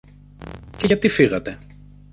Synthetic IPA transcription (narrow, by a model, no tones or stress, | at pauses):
ce̞ʝɐt̪ifiɣɐt̪e